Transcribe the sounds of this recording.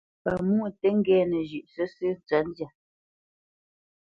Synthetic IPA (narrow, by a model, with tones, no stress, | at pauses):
pa˨mu˦˨tɛ˦ŋ̩˦ɡɛː˨˦nə˨ʒʉ˨ʔsə˦sɨ˦n˨t͡sa˦n˦dja˨